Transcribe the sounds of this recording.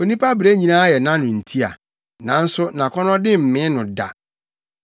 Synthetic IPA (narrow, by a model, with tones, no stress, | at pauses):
o˨nĩ˦pʰa˦bɾe˦ɲĩ˨nãː˦jɛ˨nã˦nʊ̃˨n̩˨tʰi˦a̰˨ | nã˨n̩˦sʊ˦nã˨kʰɔ˦nɔ̃˦dɪ˦m̩˨mɪ̃˦nʊ̃˨da̰˨